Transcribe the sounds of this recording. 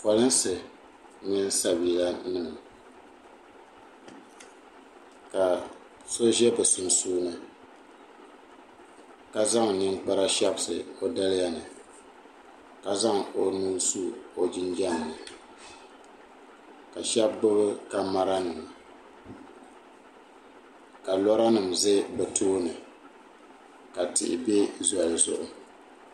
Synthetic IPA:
fa˨lɨ˦n˦sɨ˨ | ɲɪ˦n˦sa˦bi˨la˦nɨ˦˨ŋ˨ | ka˨ | so˦ʒɛ˦bɨ˨su˨n˨suː˦nɨ˦ | ka˨za˦ŋnɨ˦nk͡pa˦ɾa˦ʃɛ˦bsɨ˨o˦da˦lja˦nɨ˨ | ka˨za˦ŋo˨nu˦lsu˦o˨d͡ʒɪ˦nd͡ʒɛ˦nː˨ɨ˨ | ka˨ʃɛ˦bːɨ˦bɨ˦ka˨ma˦ɾa˦nɨ˨m˨ | ka˨lɔ˦ɾa˦nɨ˨m˨zɨ˦bɨ˨tʰoː˦nɨ˨ | ka˨tɪ̰˨ʔɪ̰˨be˦zwa˨zʊ̰˨ʔʊ˦

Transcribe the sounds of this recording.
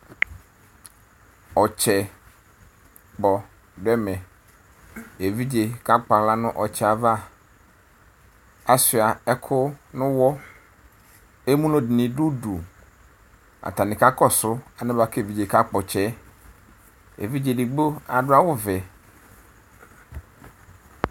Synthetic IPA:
ɔ˨t͡ʃʰɛ˨ | k͡pɔ˨ | dɛ˦mɛ̃˨ | e˨vi˦d͡ʑe˨ka˦k͡pa˨la˦nʊ̃˦ʔɔ˨t͡ɕʰɛ˨a˨va˦ | a˨sɪ˨a˨ɛ˦kʰʊ˦nʊ̃˦wɔ˦ | e˦mũ˦lɔ̃˨dɪ˨nɪ̃˨du˦du˨ | a̰˨ta˨nɪ̃˨ka˦kɔ˦sʊ˦a˨nɪ̃˦ba˨˦ke˨vi˨d͡ʒe˨ka˦k͡pɔ˨t͡ʃʰɛ˦ | ḛ˨vi˦d͡ʑe˨di˨ɡ͡bo˦a˨dʊ˦a˦wʊ˦vɛ˨

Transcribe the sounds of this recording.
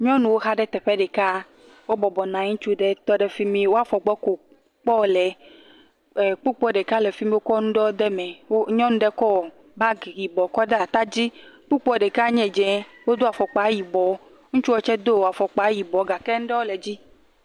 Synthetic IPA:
ɲɔ̃˦nũ˨wo˦ɦa˦ɖɛ˦t̪ɛ˨ɸɛ˦ɖɛ˨ka˦ | wo˦bɔ˨bɔ˨nã˨˦ŋũ˦t͡ʃu˦ɖɛ˦t̪ɔ˦ɖɛ˦˨fi˦mĩ˦wo˦a˦˨fɔ˨ɡ͡bɔ˦ko˨ | k͡pɔ˦˨lɛ˨˦˨ | k͡pu˦k͡pɔ˦ɖɛ˨ka˦lɛ˨fi˦mĩ˦wo˦kɔ˦nũ˦ɖɔ˦o˦d̪ɛ˦mɛ̃˨wo˦ɲɔ̃˦nũ˦ɖɛ˦kɔ˦˨ | ba˦˨i˨bɔ˨kɔ˦ɖɛ˦a˨t̪a˦d͡ʑi˦k͡pu˦k͡pɔ˦ɖɛ˨ka˦ɲɛ̃˨d͡ʒɛ̃˨wo˦d̪o˦a˨fɔ˨k͡pa˨˦ji˨bɔ˨˦ | ŋũ˦t͡ʃu˦wɔ˦t͡ʃɛ˦d̪o˦wa˨fɔ˨k͡pa˨˦ji˨bɔ˨˦ɡa˨kɛ˦ŋ̩̃˦ɖɛ˦wo˦lɛ˨d͡ʑi˦

